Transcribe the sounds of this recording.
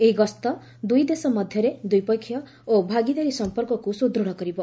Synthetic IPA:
eɦiɡɔst̪ɔ | d̪ujd̪esɔmɔd̪ʱjɔɾed̪ujpɔjkʰːjɔ | obʱaɡid̪aɾisɔmpɔɾkɔkusud̪ɾoɽ̃ɔkɔɾibɔ

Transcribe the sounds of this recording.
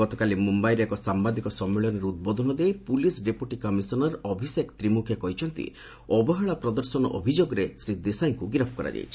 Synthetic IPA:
ɡɔt̪ɔkalimumbajɾɔekɔsambad̪ikɔsɔmːiɭɔnɔɾeud̪̚bod̪ʱɔnɔd̪ejpulisɖepuʈikɔmisɔnɔɾɔbʱisekt̪ɾimukʰjɔkɔɦit͡ʃʰɔnt̪ḭ | ɔbɔɦɔɭapɾɔd̪ɔɾsɔnɔʔɔ̰bʱid͡ʒoɡɔɾesɾid̪esajŋkuɡɾɔpʰkɔɾa̰d͡ʒa̰jt͡ʃʰi̥

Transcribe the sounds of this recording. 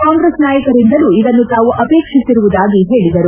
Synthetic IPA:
kaːŋɡɾeːsnaːjɐkɐɾind̪ɐluːid̪ɐnːut̪aːʋuʔɐpeːkʂisiɾuʋud̪aːɡiɦe̞ːɭid̪ɐɾu

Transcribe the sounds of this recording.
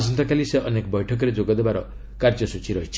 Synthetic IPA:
sɔnt̪ʰɔkaliseʔɔnekɔbɔjʈʰɔk̬ɔɾed͡ʒoɡɔd̪ebaɾɔ̰ | kaɾd͡ʒɔsut͡ʃʰiɾɔɦit͡ʃʰi̥

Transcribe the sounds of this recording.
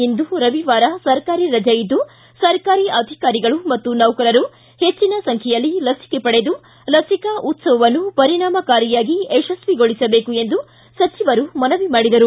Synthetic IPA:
ind̪uɾɐʋiʋaːɾɐsɐɾkaːɾiɾɐd͡ʒɐjid̪u | sɐɾkaːɾiʔɐd̪ʱikaːɾiɡɐɭumɐt̪ːunɐwkɐɾɐɾu | he̞t͡ʃːinɐsɐŋkʰɛjɐlːilɐsi̥kɛpɐɽe̞d̪u | lɐsikɐʔut̪sɐʋɐʋɐnːupɐɾiɳaːmɐkaːɾijaːɡieʃɐsʋiɡo̞ɭisɐbeːkue̞nd̪u | sɐt͡ʃiʋɐɾumɐnɐʋimaːɽid̪ɐɾu

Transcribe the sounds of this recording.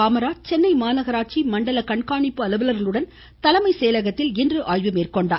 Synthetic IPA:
aːmɐɾaːt͡ʃɛnːɐɪmaːnɐɣɐɾaːʈ̚t͡ʃimɐɳɖɐlɐkɐɳkaːɳɪpːɯɐlɐʋɐlɐɾɣɐɭɯɽɐn | t̪ɐlɐmɐɪsɛːjɐlɐɣɐt̪ːɪlɪndrɯʔaːjʋɯmeːrkɔɳɖa̰ː

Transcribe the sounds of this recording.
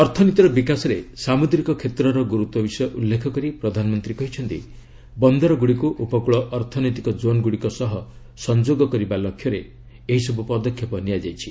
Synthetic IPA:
ɔɾt̪ʰɔnit̪ɾɔbikasɔɾesamud̪ɾikɔkʰet̪ɾɔɾɔɡuɾut̪wɔbisɔjɔʔulːekʰɔkɔɾipɾɔd̪ʱanɔmɔnt̪ɾikɔɦit͡ʃʰɔnt̪ḭ | bɔnd̪ɔɾɔɡuɽikuʔupɔkuɭɔʔɔɾt̪ʰɔnɔjt̪ikɔd͡ʒonɡuɽikɔsɔɦɔ | sɔnd͡ʒoɡɔkɔɾibalɔkʰjɔɾe | eɦisɔbupɔd̪ɔkʰjɔpɔnijad͡ʒajt͡ʃʰi̥

